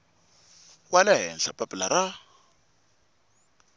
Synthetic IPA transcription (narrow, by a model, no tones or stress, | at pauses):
walaɦɛnɬapʼapʼlaɾa